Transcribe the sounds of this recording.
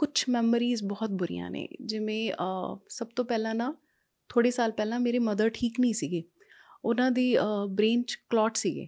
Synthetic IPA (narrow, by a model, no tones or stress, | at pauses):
kʊt͡ʃʰmɛːməɾiːzbɔːt̪̚bʊɾḭjã̰ːnḛ̃ːd͡ʒɪʋẽːsəb̚t̪õːpɛːlãːnãː | t̪ʰoːɽeːsaːlpɛːlãːmeːɾeːməd̪əɾʈʰiːknəĩːsiːɡeː | ʊnãːd̪iːbɾeːnt͡ʃklɔːʈsiːɡḛː